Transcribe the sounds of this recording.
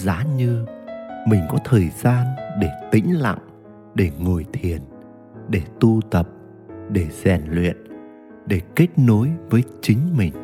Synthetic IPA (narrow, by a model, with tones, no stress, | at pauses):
zaː˨˦ɲɨ˧mï˨˩ŋ̟kɔ˨˦t̪ʰəː˨˩jzaː˧nɗe˧˩t̪ï˨˦ŋ̟la̰˧˨ŋ | ɗe˧˩ŋo˨˩jt̪ʰi˨˩ən | ɗe˧˩t̪u˧t̪ə˨˩p̚ | ɗe˧˩z̥ɛ˨˩nlwḭ˧˨ən | ɗe˧˩ke˦˥k̟̚no˨˦jvəː˨˦jt͡ɕï˨˦ŋ̟mï˨˩ŋ̟